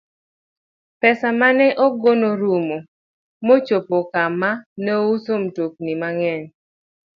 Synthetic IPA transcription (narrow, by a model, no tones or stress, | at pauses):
pɛsamanɛʔɔɡonoɾumo | mot͡ʃopokamanɛusomtok̚nimaŋɛn